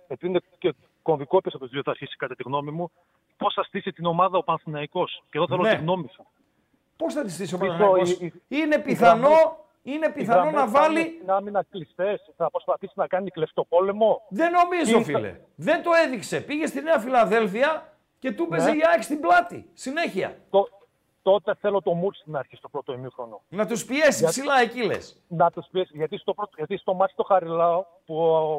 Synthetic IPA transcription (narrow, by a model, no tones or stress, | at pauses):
epiðinece | ko̞nðikopiesɐpot̪ɾioθɐːɾçisi̥kɐt̪et̪iɣno̞mimu | po̞sθɐst̪isit̪ino̞mɐðɐopɐnθinɐiko̞sceðoθelonɐetiɣno̞mis | po̞sθɐt̪ist̪isiopɐinooine̞piθɐno̞ | inepiθɐno̞nɐvɐlinɐminɐklist̪esθɐpɾospɐθisinɐkɐniklefi̥t̪opo̞le̞mo̞ðe̞no̞mizofilḛ | ðe̞nt̪o̞e̞ðikse̞piʝe̞st̪ineɐfilɐðe̞lfiɐ | ce̞t̪ubezeiɐkst̪iblɐt̪ḭsine̞çiɐ̰t̪o | t̪o̞t̪e̞θe̞lo̞t̪o̞mut͡st̪nɐːɾçist̪opɾo̞t̪oimixɾo̞nonɐt̪uspie̞sipsilɐecile̞̰s | nɐt̪uspiesʝɐt̪ist̪opɾot̪ʝɐt̪ist̪o̞mɐsi̥t̪o̞xɐɾilɐo | pu